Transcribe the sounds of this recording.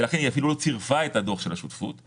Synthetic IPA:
elaχeniafilulo̞t͡siʁvae̞tado̞χʃelaʃutfṵt̪

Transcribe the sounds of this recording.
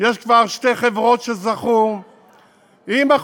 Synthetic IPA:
jeʃkvaʁʃte̞χevʁo̞tʃezaχu | ima

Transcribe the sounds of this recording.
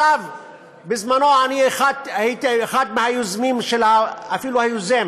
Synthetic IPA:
av | bɪzmanoanixat̪hit̪xad̪̚mahajʊzmiːmʃelhaafiːluhajʊzem

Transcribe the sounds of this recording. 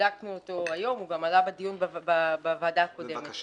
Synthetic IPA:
aknuot̪o̞ajo̞muvamalabad̪ijunbbabavaːdako̞d̪emet̪

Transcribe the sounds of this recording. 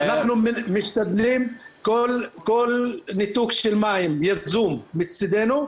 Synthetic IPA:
anaχnummiʃt̪ad̪limkolkolnit̪ukʃelmaimjazumːit͡sid̪enu

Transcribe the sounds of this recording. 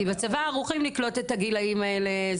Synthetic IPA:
ibeat͡savaːʁuχimliklo̞tethaɡilaimaele̞

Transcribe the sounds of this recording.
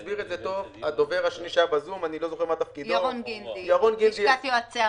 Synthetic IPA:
sbiʁet̪zet̪o̞vad̪o̞veʁaʃeniʃajabazumanilo̞zo̞χeʁmat̪afkidj̪aʁonɡindijaʁonɡid̪iat̪iat͡sea

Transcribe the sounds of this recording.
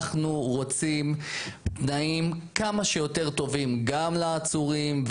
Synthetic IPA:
χnuʁo̞t͡simt̪naimkamaʃejo̞t̪e̞ʁt̪o̞vimɡamlaːt͡suʁimv

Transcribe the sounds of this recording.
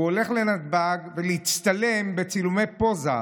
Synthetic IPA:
ole̞χle̞nat̪̚baɡveleit͡st̪ale̞mbet͡silume̞jpo̞za̰

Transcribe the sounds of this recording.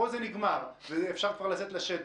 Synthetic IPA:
ozeniɡmaʁvezefʃaʁkvaʁlaset̪laʃet̪

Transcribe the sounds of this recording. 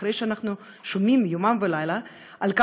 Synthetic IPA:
ɾejʃeanaχnu | ʃomimjomamvelajla | ʔalka

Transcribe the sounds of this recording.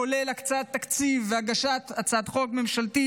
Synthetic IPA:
olelakt͡sat̪ːakt͡sivːeaɡaʃat̪at͡sad̪χo̞kme̞mʃalt̪i

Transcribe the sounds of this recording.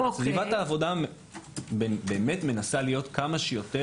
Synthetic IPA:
svivat̪haːvo̞da | bbe̞ːmetme̞nasalijo̞tkamaʃejo̞te

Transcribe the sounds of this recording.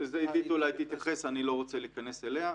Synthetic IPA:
zeid̪it̪ulajt̪it̪jaχe̞sanilo̞ʁot͡seliːkaneselea

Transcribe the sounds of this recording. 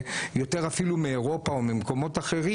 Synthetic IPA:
jo̞te̞ʁafilumeːʁo̞paomemko̞mo̞t̪aχe̞ʁi

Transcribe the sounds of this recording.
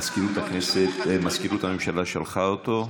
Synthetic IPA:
skiɾut̪akneset̪maskiɾut̪hamemʃalaʃalχaot̪o

